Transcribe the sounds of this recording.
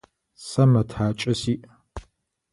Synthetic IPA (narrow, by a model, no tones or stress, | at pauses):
sɐmɐtʰaːt͡ʃʼɐsiːʔ